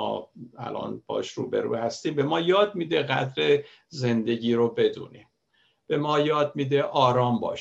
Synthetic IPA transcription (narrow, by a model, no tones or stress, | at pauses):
ɒ̰ːæ̰lʔɒ̰ːnb̥ɒ̰ːʃɾṵːbḛɾṵːhæst̪iːmbe̞mɒːjɒːd̪̚miːd̪eɣæ̰d̪ɾe | ze̞nd̪e̞ɟiːɾobe̞d̪ṵːniːm | b̥e̞mɒːjɒːd̪̚miːd̪eʔɒːɾɒːmbɒ̰ːʃ